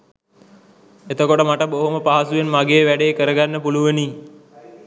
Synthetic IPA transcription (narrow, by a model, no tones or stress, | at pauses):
et̪əkoʈəmaʈəboɦoməpaɦasuʋenmaɡeːʋæɖeːkəɾəɡanːəpuluʋəniː